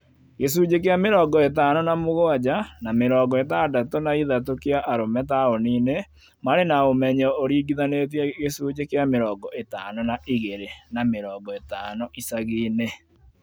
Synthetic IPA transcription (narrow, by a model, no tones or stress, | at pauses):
ɣes̬uːd͡ʑekeameɾɔːɡɔetaːnɔnamoɣoad͡ʑanameɾɔːɡɔetadatonaiðatokiaʔaɾomɛt̬aoniːne | maɾenaomɛɲɔoɾiːɡiðanet̬iɛɣesuːd͡ʑekeameɾɔːɡɔʔetanɔnaʔiɣeɾenameɾɔːɡɔetaːnɔʔisaɣiːne